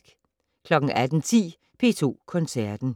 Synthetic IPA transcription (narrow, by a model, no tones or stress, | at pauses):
ɡ̥ | kʰlɒ̽ɡ̥ŋ̩ʔæd̥n̩t͡sʰḭː | pʰe̝̰ːt͡sʰo̝̰ːkʰɔ̽nsæɐd̥n̩